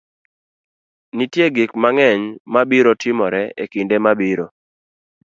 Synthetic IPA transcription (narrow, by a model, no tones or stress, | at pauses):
nitjeɡikmaŋɛɲmabiɾotʰɪmɔɾɛekindemabiɾo